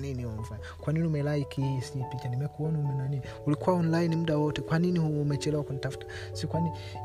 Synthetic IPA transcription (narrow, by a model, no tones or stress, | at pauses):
niniɔɱvan | kwaniniumɛlaikʰisiɲipit͡ʃanimɛkuɔnaumɛnanini | ulikuwaɔnlainimuɗawɔtɛkwaninihuːmɛt͡ʃɛlɛwakunitafu̥tḁ | sikwani